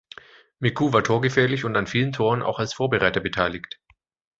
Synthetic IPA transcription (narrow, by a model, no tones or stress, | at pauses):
mɪkʰuːvaːɐtʰoːɐɡəfɛːɐlɪçʊntanfiːləntʰoːʁənʔa̰ʊxalsfoːɐbəʁaɪtɐbətʰaɪlɪçt